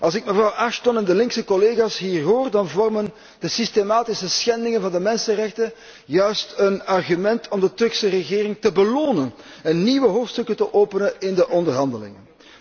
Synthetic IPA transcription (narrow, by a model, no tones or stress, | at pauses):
ʔɑlˠsɪkməvrɑwʔaʃtɔnɛndəlɪŋksəkɔleːɣaːsɦiːrɦoːrdɑnvɔrmən | dəsistemaːtɪsəsxɛndɪŋənvɑndəmɛnsənrɛxtə | jœɥstənɑrɣymɛntʰɔmdətɵrksərəɣɪːɾɪŋtəbəloːnən | ɛnːiːʋəɦoːftstɵkətəʔoːpənəɪndəʔɔndərɦɑndəlɪ̰ŋə̰n